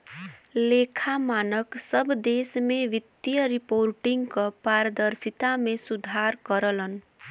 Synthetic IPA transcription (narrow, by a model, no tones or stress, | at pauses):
lekʰamanəksəbʱd̪esmeʋit̪jəɾipoɾʈiŋɡkəpaɾd̪əɾsit̪amesud̪ʱaɾkəɾələn